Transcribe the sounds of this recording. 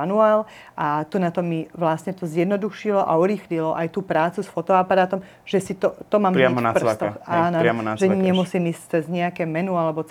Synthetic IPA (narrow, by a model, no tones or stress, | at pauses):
anuaːl | ʔat̪unat̪ɔmiʋlasɲɛt̪ɔzjɛd̪nɔd̪uʃilɔʔa̰uɾiːxlilɔʔajt̪uːpɾaːt͡susfɔt̪ɔapaɾaːt̪ɔm | ʒ̥ɛsit̪ɔt̪ɔmaːmamnaprt̪ɔxaːnɔɾamɔnaʒɛɲɛmusiːmiːst͡sɛzɲɛakɛːmɛnualɛbɔt͡s